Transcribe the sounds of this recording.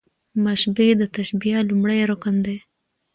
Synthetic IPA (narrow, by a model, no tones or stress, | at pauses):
maʃbed̪ət̪aʃbijalumɽajɾokand̪e